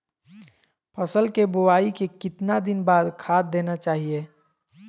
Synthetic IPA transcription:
pʰəsəlkebʊwaːikekɪt̪nad̪ɪnbaːd̪kʰaːt̪̚d̪eːnat͡ʃaːɦieː

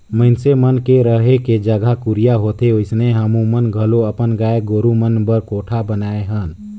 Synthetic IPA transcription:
məɪnsemənkeɾəɦeked͡ʒəɡʱakʊɾijaɦoːt̪eʊɪsneɦəmũmənɡʱəloəpənɡaːeɡoːɾumənbəɾkoːʈʰabənaːeɦən

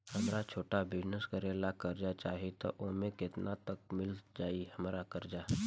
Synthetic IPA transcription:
hɐmɾat͡ʃʰoːʈabɪd͡ʒnəskəɾeːlakɐɾd͡ʒat͡ʃaːɦit̪o̰ʔomẽkɪt̪nat̪ək̚mɪld͡ʒaːihɐmɾakɐɾd͡ʒaː

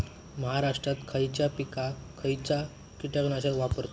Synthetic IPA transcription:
məɦaɾaʂʈɾat̪kʰəjt͡ɕjapikakʰəjt͡ɕa | kiʈəknaɕaʋapəɾt̪o

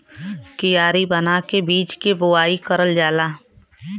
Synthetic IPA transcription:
kijaːɾibənakebiːt͡ʃkibʊaːikəɾəld͡ʒaːlaː

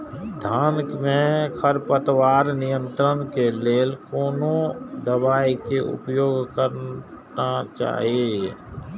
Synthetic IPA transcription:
d̪ʱaːnkmẽkʰəɾpət̪waːɾnɪjə̃nt̪ɾənkeleːlkoːnõd̪əbaːikeʔʊ̰pjoːɡkəɾ | nat͡ʃa̰ːɦiee

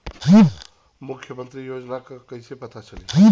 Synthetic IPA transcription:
ĩ | mʊkʰːjəmə̃nt̪ɾijoːd͡ʒnakakɐĩsepɐt̪at͡ʃɐlei

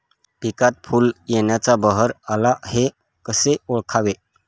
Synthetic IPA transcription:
pikat̪̚fuːljeɳ̃jat͡sabəɦəɾalahe | kəseoɭkʰaʋe

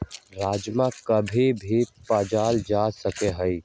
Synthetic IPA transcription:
ɾaːd͡ʒmakəbʱibʱipaːd͡ʒaːld͡ʒaːsəkeɦəi

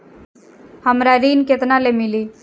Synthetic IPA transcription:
həmɾaɾiːnket̪nalemɪliː

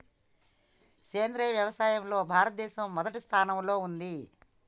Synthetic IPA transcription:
keːnd̪ɾɐʋjɐʋɐsaːjɐmlo̞ːbʱaːɾɐt̪̚d̪ɛːsɐmːɔd̪ɐʈist̪ʰaːnɐmlo̞ːund̪i

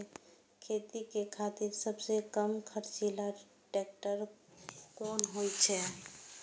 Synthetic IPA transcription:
kʰet̪ikekʰat̪ɪɾsəbsekəmkʰəɾt͡ʃila | ʈek̚ʈəɾ | kɔnɦojt͡ʃʰɛ

